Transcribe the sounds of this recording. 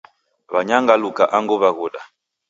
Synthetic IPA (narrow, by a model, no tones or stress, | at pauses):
βaɲaŋɡalukaʔaŋɡɔβaɣɔɗa